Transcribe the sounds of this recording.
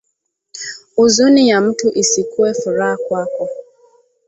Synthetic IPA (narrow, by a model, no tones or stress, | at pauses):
ʊzunɪjam̩tʊʔisikuefʊɾakʊakɔ